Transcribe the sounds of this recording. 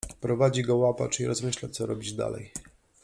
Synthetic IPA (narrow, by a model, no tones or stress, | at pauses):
pɾɔvad͡ʑiɡɔwapa̰t͡ʂiɾɔzmɘɕlat̪sɔɾɔbʲid͡ʑd̪a̰lɛ̰j